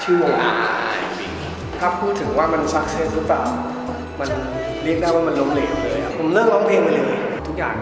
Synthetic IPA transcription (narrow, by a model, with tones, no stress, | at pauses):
t͡ɕʰɯː˥˩wo˨˧˩ʔa̰ː˧˩j | t̪ʰaː˥˩pʰuː˥˩t̪ʰːɯ˨˩˦ŋwaː˥˩ma˧nsa˦˥k̚sʰe˦˥˨nɾɯː˦˥plaː˨˩w | ma˧n | li˥˩k̚daː˥˩jwaː˥˩ma˧nlo˦˥mleː˨˩˦n˨˧lɯː˧˦jkʰa˧˥˩pʰo˨˩˦mlɯ˥˩əklɔː˦˥ŋpʰeː˧ŋma˧lɯː˧˦ʔi˧˩t̪ʰu˦˥k̚ja̰ː˨˩ŋ